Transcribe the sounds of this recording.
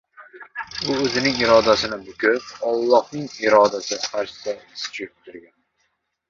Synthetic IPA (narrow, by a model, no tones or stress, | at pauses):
ʊɵzɪnɪŋɪɾɒd̪asɪnɪbʊkʲʰʊpɒlˠːɒhnɪŋɪɾɒd̪asɪqʰɑɾʃɪ̥sasɪ̥t͡ʃʰɪɪp̚t̪ʰʊɾɡʲan